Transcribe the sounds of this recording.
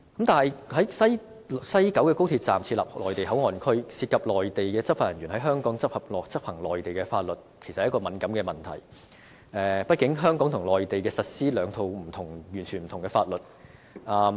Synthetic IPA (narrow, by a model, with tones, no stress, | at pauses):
kɐ˨˥mt̪aː˨nɐ˨˩jɦɐ˨˥jsɐ˥j | sɐ˥jkɐ˨˥wkɛː˧ko˥wt̪ʰi˧t̚t͡sa̰ː˨˩mt͡sʰiː˧la̰ː˨p̚lɔː˨jt̪e˨jɦɐ˨˥wŋɔː˨nkʰɵ˥ɥsiː˧t̚kʰɐ˨p̚lɔː˨jt̪e˨jkɛː˧t͡sɐ˥faː˧˩jɐ˨njyː˨˩nɦɐ˨˥jɦœː˥ŋkɔː˨˥ŋt͡sɐ˥p̚hɐ˨p̚lɔː˨˩k̚t͡sɐ˥p̚hɐ˨˩ŋlɔː˨jt̪e˨jkɛː˧faː˧t̚lɵ˨t̚kʰjsɐt̚hkɔː˧mɐ˨˥nkɐ˨˥mkɛː˧mɐ˨˩nt̪ʰɐ̰˨˩j | ɛː˨pɐ˥t̚kɪ˨˥ŋɦœː˥ŋkɔː˨˥ŋt̪ʰʊ˨˩ŋlɔː˨jt̪e˨jkɛː˧sɐ˨t̚siː˥lœː˨˧ŋt̪ʰo˨˧wm̩˨˩t̪ʰʊ˨˩ŋjyː˨˩nt͡ʃʰy˨nm̩˨˩t̪ʰʊ˨˩ŋkɛː˧faː˧t̚lɵ˨˩t̚ʔaː˨˧